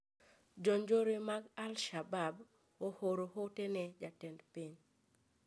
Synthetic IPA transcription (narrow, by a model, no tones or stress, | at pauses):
d͡ʒɔɲd͡ʒoɾemaɡalʃabab | ohoɾohotenɛd͡ʒatɛndpiɲ